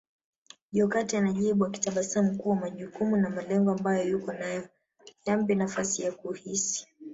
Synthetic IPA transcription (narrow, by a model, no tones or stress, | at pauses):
ʄɔkatianaʄiɓuwaki̥taɓasam̩kuːwamaʄukumunamalɛŋɡɔambajɔjukɔnajɔ | jambɛnafasijakuhisi̥